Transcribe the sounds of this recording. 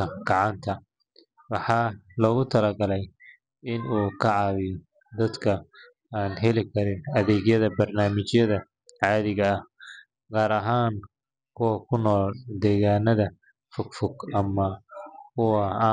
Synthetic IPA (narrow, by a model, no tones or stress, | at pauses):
ɐɡɑʕɑnt̪ʰɐ | wɑħɑːlɔːɣʊt̪ʰɐlɐɡɐlɛj | ɪnuːkʰɐʕɑːwɪjɔ | d̪ɐd̪kʰɐ | aːnɦɛlɪkʰɐɾɪnɐðɛːɣjɐðɐbɐrnaːmɪt͡ʃjɐðɐ | ʕɑːðɪɣɐːh | ɡaːɾɐɦaːn | kʰʊwɐkʰʊnːɔːld̪ɛːɣaːnɐðɐ | fʊɡfʊɡɐmɐkʰʊwɐ